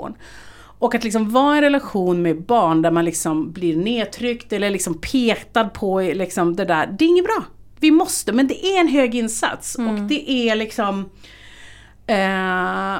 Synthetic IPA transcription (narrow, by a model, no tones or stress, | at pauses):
n | ʔɔkːat̪lɪks̬ɔmvɑːɛnɾɛlaɧuːnmɛbɑːɳd̪æɾmanlɪksɔmblɪɾneːt̪ʰɾʏkt̪ɛlːəɭɪksɔmpʰeːt̪ad̪̚pʰɔlɪksɔmd̪ɛd̪æːɾd̪ɛɾɪŋːəbɾɑː | vɪmɔst̪əmɛnd̪ɛʔæɾɛnɦøːɡɪnːsa̰t̪sɔkd̪ɛʔælɪksɔm